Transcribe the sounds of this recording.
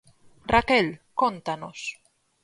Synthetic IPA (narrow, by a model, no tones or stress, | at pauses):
rakelkont̪anos